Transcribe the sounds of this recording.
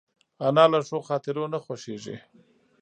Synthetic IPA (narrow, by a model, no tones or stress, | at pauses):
anɑːlaʂoxɑt̪ɪɾonaxwaʃeʐḭ